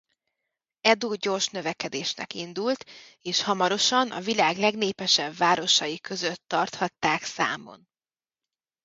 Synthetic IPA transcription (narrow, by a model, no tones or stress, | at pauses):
ɛd̪oːɟo̞rʃnø̞vɛkɛd̪eːʃnɛ̰kind̪ult̪ | eːʃhɒmɒɾo̞ʃɒnʔɒ̰vilaːɡlɛɡneːpɛʃɛbvaːɾo̞ʃɒjikø̞zøt̪ːɒrt̪hɒt̪ːaːksa̰ːmo̞̰n